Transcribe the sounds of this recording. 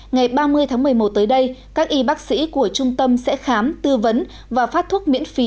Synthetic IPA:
ŋa˨˩jɓaː˧mɨ˧əjt̪ʰaː˨˦ŋmɨ˨˩əjmo˨˩t̚t̪əː˨˦jɗə˧jkaː˦˥k̚ʔi˧ɓaː˦˥k̚sḭ˧˥ku˧˩ət͡ɕʊ˧ŋ͡mt̪ə˧msɛ̰˧˥xaː˨˦mt̪ɨ˧və˨˦n | vaː˨˩faː˦˥t̚t̪ʰwu˦˥t̚mḭ˧˥ənfi˨˦

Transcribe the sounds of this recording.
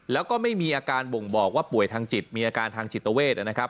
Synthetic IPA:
lɛː˦˥wkɔː˥˩ma˥˩jmiː˧ʔaː˧kaː˧nbo˨˩ŋbɔː˨˩k̚waː˥˩pu˨˩əjt̪ʰaː˧ŋt͡ɕi˨˩t̪̚miː˧ʔaː˧kaː˧nt̪ʰaː˧ŋt͡ɕi˨˩t̪̚ːa˧weː˥˩t̪̚ʔa˨˩na˦˥kʰa˦˥p̚

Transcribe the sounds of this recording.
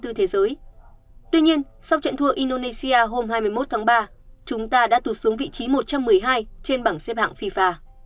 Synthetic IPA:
t̪ɨ˨˧˩t̪ʰe˨˦zəː˨˦j | t̪wi˧ɲi˧ənsa˧wt͡ɕə̰˧˨nt̪ʰu˧˩əʔi˧nɗo˧ne˧si˧aː˧ɦo˧mhaː˧jmɨ˧əjmo˦˥t̚t̪ʰaː˨˦ŋɓaː˧ | t͡ɕʊ˨˦ŋ͡mt̪aː˧ɗa̰ː˧˥t̪u˧˩su˨˦əŋvḭ˧˨t͡ɕi˨˦mo˨˩t̚t͡ɕa˧mːɨ˨˩əjɦaː˧jt͡ɕe˧nɓaː˧˩ŋsɛ˧˥p̚ha̰ː˧˨ŋfi˧faː˧˩

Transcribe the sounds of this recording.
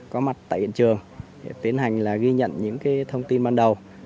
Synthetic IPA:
kɔ˨˦ma˨˩t̚t̪a̰ː˧˨jhḭ˧ənt͡ɕɨ˨˩əŋ | e˧˩t̪i˨˦ənɦa˨˩jŋ̟laː˨˩ɣi˧ɲə̰˧˨nɲɨ̰˧˥ŋkaː˨˦jt̪ʰə˧wŋ͡mt̪i˧nɓaː˧nɗə˨˩w

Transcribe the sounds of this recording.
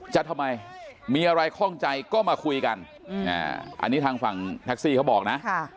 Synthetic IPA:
t͡ɕa˨t̪ʰa˧mːa˧jmiː˧ʔa˧ɾa˧jkʰɔ˥˩ŋt͡ɕa˧jkɔː˥˩maː˧kʰu˧jka˧n | a̰ː˧˩ʔa̰˧nːiː˦˥t̪ʰaː˧ŋfa˨˩ŋt̪ʰa˦˥k̚siː˥˩kʰa˦˥wbɔː˨˩k̚na˦˥ʔ

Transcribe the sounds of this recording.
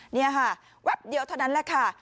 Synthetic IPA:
ni˦˥˩ɐ˨kʰa˧˥˩ | wɛ˦˥˩p̚di˨˦wt̪ʰa˧˩wna˦˥nlɛː˧˩kʰa˥˩

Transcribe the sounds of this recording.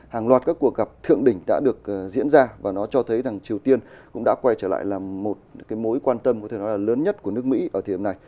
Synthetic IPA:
haː˨˩ŋlwaː˨˩t̚kaː˦˥kːu˨˩ək̚ɣa˨˩p̚t̪ʰɨ̰˧˨əŋɗï˧˩ŋ̟ɗa̰ː˧˥ɗɨ˨˩ək̚ːzḭ˧˥ənzaː˧vaː˨˩nɔ˨˦t͡ɕɔ˧t̪ʰə˨˦jza˨˩ŋt͡ɕi˨˩əwt̪i˧ənkʊ̰˧˥ŋ͡mɗa̰ː˧˥kwa˧jt͡ɕəː˧˩la̰ː˧˨jlaː˨˩mo˨˩t̚kaː˨˦jmo˨˦jkwaː˧nt̪ə˧mkɔ˧˦t̪ʰe˧˩nɔ˨˦jlaː˨˩ləː˨˦nɲə˦˥t̚ku˧˩ənɨ˦˥ək̚mḭ˧˥ʔəː˧˩t̪ʰi˨˩˨na˨˩j

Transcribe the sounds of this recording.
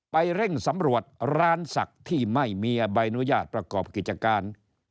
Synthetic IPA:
pa˧jɾe˥˩ŋsa˩˦mɾu˨˩ət̪̚ɾaː˧nsa̰˨˩k̚t̪ʰːiː˥˩ma˥˩jmiː˧ʔa˧ba˧jnu˦˥jaː˥˩t̪̚pɾa˧kɔː˨˩p̚ki˨˩t̪̚t͡ɕa˧kaː˧n

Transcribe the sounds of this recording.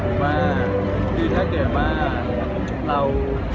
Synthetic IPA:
maː˧ | diː˧t̪ʰaː˧˥˩kɛː˨˩maː˧˩ | ɾa˧w

